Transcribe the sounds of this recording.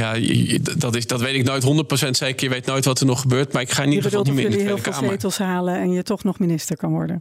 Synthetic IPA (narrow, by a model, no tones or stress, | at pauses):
jadɑtɪsdɑtʋejtɪknoːjtɦɔndət̚prosɛntsɛjɪkəʋejtnoːjtʋɑtəɹnɔχəbøːɹtmaːɪkχaːniχbədlˠmɪɪːlˠfɪːlaejtəlˠsɦaːləɛnjətɔχnɔχminɪstəɹkɑnʋɔ̰ɹdə̰n